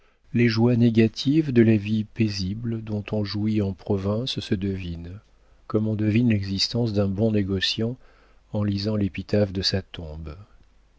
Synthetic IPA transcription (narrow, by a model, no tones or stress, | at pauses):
leʒwaneɡʲat̪ʰivd̪əlavipezibld̪ɔ̃t̪ɔ̃ʒuiɑ̃pχɔvɛ̃ssəd̪əvin | kɔmɔ̃d̪əvinlɛɡzist̪ɑ̃sd̪ɛ̃bɔ̃neɡɔsjɑ̃ | ɑ̃lizɑ̃lepit̪afd̪əsat̪ɔ̃b